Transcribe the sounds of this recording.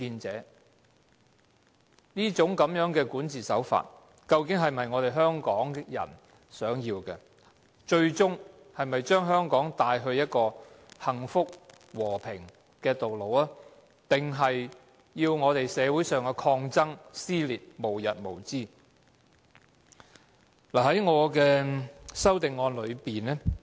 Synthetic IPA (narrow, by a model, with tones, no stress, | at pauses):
kiː˧nt͡sɛː˨˥ | niː˥t͡sʊ˨˥ŋkɐ˨˧˥mjœː˨˥ŋkɛː˧kuː˨˥nt͡siː˨sɐ̰˨˥wfa̰ː˨t̚ | kɐ˧wkɪ˨˥ŋɦɐ˨jmɐ˨jŋɔː˨˧ɾe˨jɦœː˥ŋkɔː˨˥ŋjɐ̰˨˩n | sœː˨˥ŋjiː˧wkɛ˧ | t͡ʃɵ˧ɥt͡sʊ˥ŋ | hɐ˨jmɐ˨jt͡ʃœː˥ŋɦœː˥ŋkɔː˨˥ŋt̪aː˧jɦɵ˧ɥjɐ˥t̚kɔː˧hɐ˨˩ŋfʊ˥k̚ | wɔː˨˩pʰɪ˨˩ŋ | kɛː˧t̪o˨wlo˨˧waː˥ | t̪ɪ˨˩ŋɦɐ˨j | jiː˧wŋɔː˨˧t̪e˨jsɛː˨˧wuː˨˥jsœː˨ŋkɛ˧kʰɔː˧ŋt͡sɐ˥ŋsiː˥liː˨t̚mo˨˩wjɐ˨t̚mo˨˩wt͡siː˥˩ | laː˨˩hɐ˨˥jŋɔː˨˧kɛː˧sɐ˥wt̪ɪ˨ŋːɔː˧nlɵ˨˧ɥpiː˨nɛ˥